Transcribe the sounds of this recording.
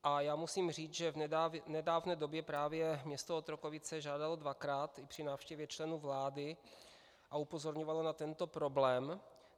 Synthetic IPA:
ʔajaːmusiːmriːt͡sʒɛvnɛdaːvnɛːdo̞bjɛpɾaːvjɛmɲɛst̪oot̪ɾokovɪt͡sɛʒaːdalodvakɾaːt̪ɪpr̥ɪnaːfʃcɛvjɛt͡ʃlɛnuːvlaːdɪ | ʔaupo̞zo̞ɾɲovalonat̪ɛnt̪o̞pɾo̞blɛːm

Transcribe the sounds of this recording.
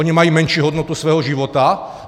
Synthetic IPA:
ɔɲimajimɛnʃɪuɦɔd̪nɔt̪usʋɛːɦɔʒiʋɔt̪a

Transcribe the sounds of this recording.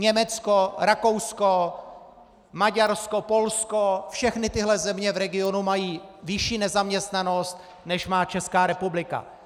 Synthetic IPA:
ɲɛmɛt͡skoɾako̞wsko | maɟaɾsko̞po̞lskofʃɛxnɪt̪ɪɦlɛzɛmɲɛvɾɛɡɪo̞numajiːvɪʃiːnɛzamɲɛst̪nano̞st̪ | nɛʃmaːt͡ʃɛskaːɾɛpublɪka̰

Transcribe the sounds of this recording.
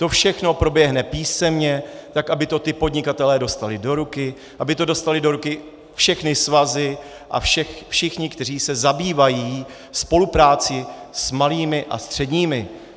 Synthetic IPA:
t̪o̞fʃɛxno̞pɾo̞bjɛɦnɛpiːsɛmɲɛt̪akʔabɪt̪o̞t̪ɪpo̞dɲɪkat̪ɛlɛːdo̞st̪alɪdo̞ɾukɪ | ʔabɪt̪o̞do̞st̪alɪdo̞ɾukɪ | fʃɛxnɪsvazɪ | ʔa̰fʃɛxfʃɪxɲɪkt̪ɛr̝iːsɛzabiːvajiː | spo̞lupɾaːt͡sɪsmaliːmɪʔa̰st̪r̝̥ɛdɲiːmɪ

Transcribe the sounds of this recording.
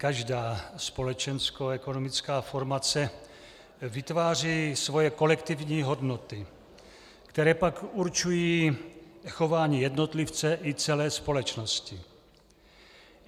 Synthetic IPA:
kaʒdaːspo̞lɛt͡ʃɛnskoɛkonomɪt͡skaːfo̞ɾmat͡sɛ | vɪt̪vaːr̝iːsvo̞jɛko̞lɛkt̪ɪvɲiːɦo̞dnot̪ɪ | kt̪ɛɾɛːpakuɾt͡ʃujiː | xo̞vaːɲiːjɛdno̞t̪lɪft͡sɛʔɪt͡sɛlɛːspo̞lɛt͡ʃnoscɪ

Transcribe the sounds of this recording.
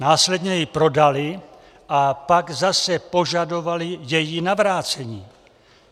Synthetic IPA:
naːslɛdɲɛjɪpɾo̞dalɪ | ʔapaɡzasɛpo̞ʒado̞valɪjɛjɪnavɾaːt͡sɛɲiː

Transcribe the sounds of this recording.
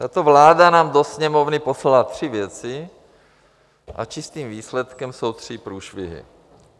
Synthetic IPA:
t̪at̪ovlaːdanaːmd̪osɲɛmovnɪposlat̪r̝̥ɪvjɛt͡sɪ | ʔa̰t͡ʃɪst̪iːmviːslɛt̪kɛmso̞wt̪r̥ɪpɾuːʃvɪ̰ɦɪ̰

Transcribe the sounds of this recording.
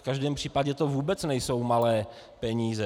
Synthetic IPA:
fkaʒdɛːmpr̝̥iːpaɟɛt̪ovuːbɛt͡snɛjso̞wmalɛː | pɛɲiːzɛ

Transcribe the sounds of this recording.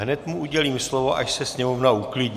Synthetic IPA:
ɦnɛt̪muʔuɟɛliːmslovoʔa̰ʃsɛsɲɛmovnauklɪd

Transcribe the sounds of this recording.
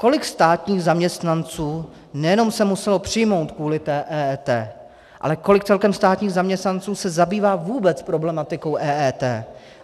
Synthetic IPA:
ko̞lɪkst̪aːt̪ɲiːɣzamɲɛst̪nant͡suː | nɛjɛno̞msɛmusɛlo̞pr̝̥ɪjmo̞wt̪kvuːlɪt̪ɛːʔɛːɛːt̪ɛː | ʔa̰lɛko̞lɪk̚t͡sɛlkɛmst̪aːt̪ɲiːɣzamɲɛst̪nant͡suːsɛzabiːvaːvuːbɛt͡spɾo̞blɛmat̪ɪko̞wʔɛːʔɛːt̪ɛː

